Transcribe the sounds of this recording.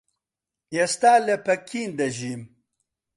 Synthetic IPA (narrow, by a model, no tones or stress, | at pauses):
jest̪aːlepɐkʰːiːnd̪ɐʑiːm